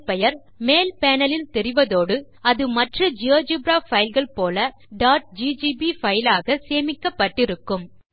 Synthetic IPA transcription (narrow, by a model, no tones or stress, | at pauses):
pɛjɐɾ | meːlpeːnɐlɪlt̪ɛɾɪʋɐðoːɽɯ | ɐðɯmɐʈrɐd͡ʒɪoːd͡ʒɯbɾaːɐɪlɣɐɭpoːlɐ | ɖaːʈ̚d͡ʒiːd͡ʒiːbifɐjɪlaːɣɐseːmɪkːɐpːɐʈːɪɾɯkːɯm